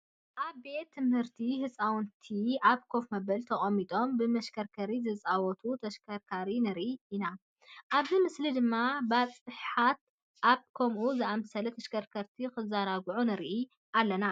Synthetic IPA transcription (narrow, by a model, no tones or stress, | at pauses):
ʔaβbe̞t̪ʰːɨmhɨɾt̪ʰiɦɨt͡sʼawnt̪ʰiaβkʰo̞fmɐbɐlt̪ʰɐχʼɐmːit̪ʼo̞mbɨmɐʃkʰɐɾkʰɐɾizɨt͡sʼawɔt̪ʰut̪ʰɐʃkʰɐɾkʰaɾinɨɾʔiːna | ʔaβzimɨslid̪ɨmːabaβt͡sʼɨħħat̪̚ | ʔaβkʰɐmʔuzɨʔamsɐlɐt̪ʰɐʃkʰɐɾkʰɐɾt̪ʰikɨzaɾaɡʕunɨɾʔi | ʔalːɐna